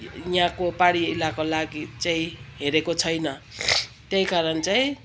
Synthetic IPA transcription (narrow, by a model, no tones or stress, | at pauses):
jãkopaɽiilakolaɡit͡saĩɦeɾekot͡sʰʌjnʌ | t̪jʌjkaɾʌnt͡saĩ